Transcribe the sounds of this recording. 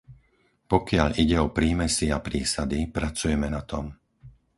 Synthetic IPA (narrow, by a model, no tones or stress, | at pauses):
pɔkɪaʎiɟɛɔpɾiːmɛsiapɾiːsad̪ipɾat͡sujɛmɛnat̪ɔm